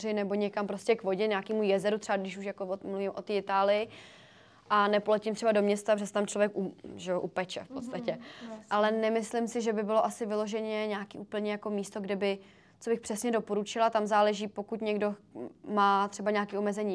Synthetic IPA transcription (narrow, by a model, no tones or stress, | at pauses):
rɪnɛbo̞ɲɛkampɾo̞scɛkvo̞ɟɛɲaːkiːmujɛzɛɾut̪r̥ɛbadɪʃuʃjakoomluvɪmʔo̞t̪iːɪt̪aːlɪjɪ | ʔanɛpolɛcɪmt̪r̥ɛbado̞mɲɛst̪aprɛsɛ̥t̪amt͡ʃlo̞vjɛkʔuʒɛjoʔupɛt͡ʃɛ̰fpot̪st̪acɛʔalɛnɛmɪslɪmsɪʒɛbɪbɪlo̞ʔasɪvɪlo̞ʒɛɲɛɲaːkḭːʔuːpl̩ɲɛjako̞miːst̪o̞ɡdɪbɪ | tt͡so̞bɪxpr̝̥ɛsɲɛdo̞po̞ɾut͡ʃɪlat̪amzaːlɛʒiːpo̞kut̪ɲɛɡdo̞maːt̪r̝̥ɛbaɲaːkiːʔo̞mɛzɛɲiː